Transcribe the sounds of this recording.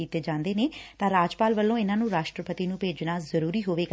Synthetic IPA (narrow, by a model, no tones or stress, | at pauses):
iːt̪eːd͡ʒãːnd̪eːneːt̪ãːɾaːd͡ʒpaːlʋəlːõːɪnãːnũːɾaːʃʈɾəpət̪iːnũːpeːd͡ʒnaːzəɾuːɾiːɦoːʋeːɡ